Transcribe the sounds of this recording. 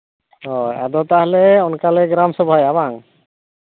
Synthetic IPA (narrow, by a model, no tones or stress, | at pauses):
ɔa̰d̪ɔt̪aɦlɛɔnkalɛɡɾamsɔbʱɔjabaŋ